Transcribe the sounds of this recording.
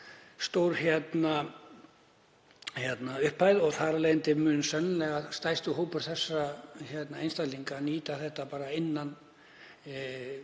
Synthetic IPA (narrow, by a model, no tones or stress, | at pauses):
st̪owɾhjɛt̪na | çjɛt̪naʏhpʰːajðɔɣθaɾaleːjnt̪ɪmʏːnsɛnːlɛɣast̪ajst̪ʏɦoːwpʏɾ̥θɛsːaçɛt̪naejnst̪aliŋkaniːt̪aθɛht̪ːapaːɾaɪnːan